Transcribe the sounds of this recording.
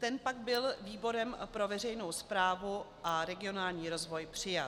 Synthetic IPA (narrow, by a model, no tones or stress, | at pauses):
t̪ɛnpaɡbɪlviːbo̞ɾɛmpɾo̞vɛrɛjno̞wspɾaːvuʔaɾɛɡɪo̞naːlɲiːɾo̞zvo̞jpr̝̥ɪjat̪